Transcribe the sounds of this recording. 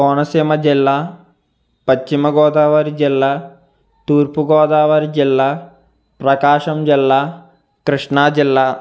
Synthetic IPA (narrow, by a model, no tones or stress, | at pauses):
oːnɐsimɐd͡ʒilːaː | pɐt͡ʃːimɐɡoːd̪aːʋɐɾid͡ʒilːaː | t̪uːɾpuɡoːd̪aːʋɐɾid͡ʒilːaː | pɾɐkaːʂɐmd͡ʒilːaː | kɾɨʂɳaːd͡ʒilːa